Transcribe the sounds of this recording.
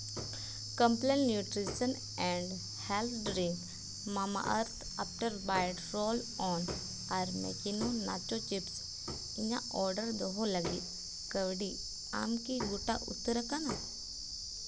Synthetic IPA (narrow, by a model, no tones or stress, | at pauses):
kə̃mplɛnnjuːʈɾisən | ɛ̃ːɳɖ | hɛlt̪ʰɖɾɪ̃ŋk | maːma̰ʔəɾt̪ʰaːpʈəɾbaːɪɖɾoːlɔːn | aɾmɛ̰kinona̰ːt͡ʃot͡ʃɪps | ɪɲã̰ɔːɾɖəɾd̪oɦoləɡḭ | kəʋɽi | a̰ːmkiɡʊʈa̰ʔʊ̰t̪ːəɾəkʰanaː